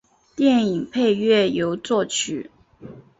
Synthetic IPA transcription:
t̪jɛ˥˩ni˨˩ŋpʰe˥˧ɪɥɛ˥˩jo˧˥ʊt͡swɔ˥˩t͡ɕʰy˨˩˦

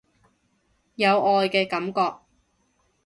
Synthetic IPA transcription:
jɐ˨˧wɔː˨˧jkɛː˧kɐ˨˥mkɔː˧k̚

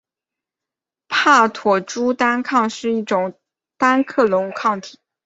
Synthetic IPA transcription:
pʰa˥˩t̪ʰwɔ˨˩ʈ͡ʂu˥t̪a˥nkʰɑ˥˧ŋʂɻ̩˥˧i˥˩ʈ͡ʂʊ˨˩ŋ | t̪a˥nkʰɤ˥˩lʊ˧˥ŋkʰɑ˥˩ŋt̪ʰi̥˨˩˦

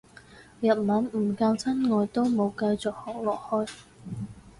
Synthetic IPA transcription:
jɐ˨t̚mɐ˨˥nm̩˨˩kɐ˧wt͡sʰɐ˥nŋɔː˨˧jt̪o˥wmo˨˧wkɐ˧jt͡sɔ˨k̚hɔː˨˩k̚lɔː˨k̚hɔː˥j

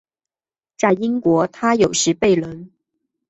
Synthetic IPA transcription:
ʈ͡ʂa˥˩ɪi˥ŋkwɔ˧˥t̪ʰa˥jo˨˩ʊʂɻ̩˧˥pe˥˩ɪlə˧˥n

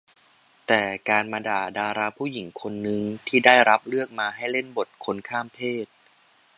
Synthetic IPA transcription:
t̪ɛː˨˩kaː˧nma˧daː˨˩daː˧ɾaː˧pʰuː˥˩ji˨˩˦ŋkʰo˧nːɯ˧ŋt̪ʰiː˥˩daː˥˩jɾa˦˥p̚lɯ˥˩ək̚maː˧ɦa˥˩jle˥˩nbo˨˩t̪̚kʰo˧nkʰaː˥˩mpʰeː˥˩t̪̚

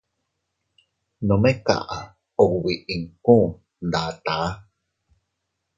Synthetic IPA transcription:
nõ˨mẽ˦ka̰˧˨ʔa˨ | o˨wi˨ʔi˨ŋkũ˦ʔ | nd̪a˨t̪a˨˦

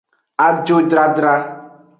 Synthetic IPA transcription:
a˦d͡ʒo˦dɾa˦dɾa˦

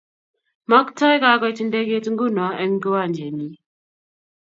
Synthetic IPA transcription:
mɐ˦kta˦jɡaː˨˦ɡa˦tɪ˦nda˦ɡʲeː˦tɪ˦ŋɡʊ˦˨na˨a˦ʔɐ˦ŋɡʊ˦wa˦˨nd͡ʒe˨niː˦

